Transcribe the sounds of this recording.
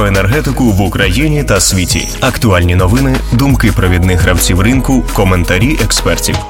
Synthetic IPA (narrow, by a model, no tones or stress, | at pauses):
enerɦɛt̪ɪkʊʋʊkɾɐjinʲit̪ɐsʲʋʲitʲḭ | ɐkt̪ʊɑlʲnʲinɔʋɪnɪd̪ʊmkɪpɾɔʋʲid̪nɪxɾɐwt͡sʲiwrɪnkʊkɔment̪ɐɾʲiʔɛkspɛrtʲḭw